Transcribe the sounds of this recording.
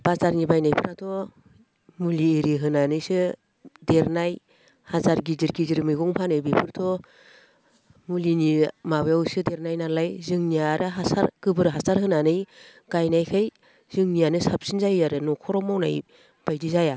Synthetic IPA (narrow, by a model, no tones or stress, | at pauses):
b̥azaɾnibajnajpʰɯɾatʰɔ | muliːɾiɦɯnanɯjsɯ | deɾnaj | hazaɾɡiziɾɡiziɾmɯjɡɔŋpʰanɯjbipʰɯɾtʰɔ | mulinimabjawsɯdeɾnajnalajzɯŋnijaɾʔɯɦasa̰ɾɡ̥ɯbɯɾɦasaɾhɯnanɯj | ɡ̥ajnajkʰɯj | z̥ɯŋnijanɯsap̚sinzajaɾɯnɔkʰɔɾɔmawna̰j | b̥ajdizaja